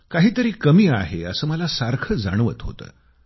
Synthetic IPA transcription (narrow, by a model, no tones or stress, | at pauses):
kaɦiːt̪əɾiːkəmiːaɦeəsəːməlasaɾkʰəd͡za̰ɽ̃ʋət̪ɦo̰t̪ə̰ː